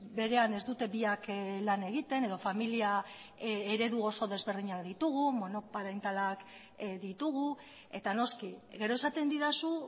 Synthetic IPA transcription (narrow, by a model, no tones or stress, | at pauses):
be̞ɾe̞ane̞zd̪ut̪e̞βiaklane̞ɣit̪e̞ne̞ð̞o̞familia | eɾe̞ðuo̞so̞ð̞e̞zβe̞ɾð̞iɲakd̪it̪uɣ̞umo̞no̞paɾajnt̪alak | ðit̪uɣ̞u | e̞̰t̪ano̞skiɣe̞ɾo̞esat̪e̞nd̪iðasu